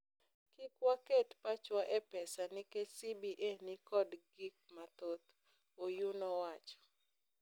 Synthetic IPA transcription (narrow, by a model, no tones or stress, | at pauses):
kikwaketpat͡ʃwaʔɛpɛsanɪkesibiʔenikɔdɡik̚mat̪ot̪ | ojunɔwat͡ʃɔ̥